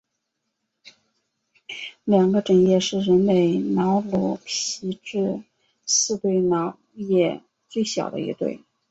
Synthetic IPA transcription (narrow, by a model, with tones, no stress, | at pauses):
ljɑ˨˩ŋɡə˦ʈ͡ʂə˨˩njɛ˥˧ʂɻ̩˥˩ɻə˧˥nme˨˩ɪnɑ˧˥ʊlɔ˧˥pʰi˧˥ʈ͡ʂɻ̩˥˩ | sɹ̩˥˧t̪we˥˩ɪnɑ˧˥ʊjɛ˥˩ | t͡swe˥˩ɪɕjɑ̰˨˩ʊd̪ə̰˦ḭ˧˥t̪wḛ˥˩ɪ